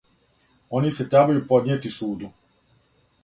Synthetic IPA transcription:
oniset̪ɾebajupod̪nɲjet̪isuːd̪u

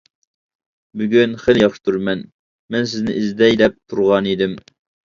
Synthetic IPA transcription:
byɡʲynχeljɑχʃt̪ʰuɾmɛn | mɛnsɪznɪʔizd̪ɛjlɛp̚t̪ʰuɾʁɑnid̪ɪm

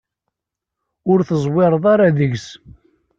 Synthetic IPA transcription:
ʊɾθəzˤwɪɾˤəðˤaɾaðəʝs

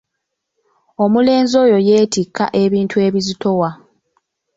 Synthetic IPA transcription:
o̞mule̞ːnzo̞ːjo̞je̞ːtikːa̰ʔe̞βiːntʰue̞βizitʰo̞wa

